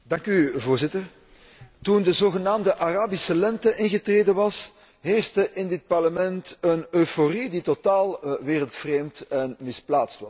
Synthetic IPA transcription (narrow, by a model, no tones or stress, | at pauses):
dɑŋkyvoːrzɪtər | tundəzoːɣənaːmdəʔaraːbisəlɛntəʔɪnɣətreːdənʋɑs | ɦeːrstəʔɪndɪt̚pɑrləmɛntənøːforiditotaːlˠʋeːrəlˠtfreːmtɛnmɪsplaːtstʋɑs